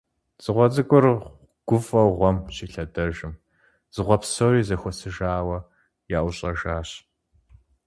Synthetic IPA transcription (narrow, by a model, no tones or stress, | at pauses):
z̥ɨʁʷɔzɨɡʷʼʊr | ɡ̥ʷʊfʼɐwʁʷɔmɕiːɬɐdɐʒɨm | z̥ɨʁʷɔpsɐwriːzɐxʷɔsɨʒaːwɐ | jaːʔwʊɕʼɐʒaːɕ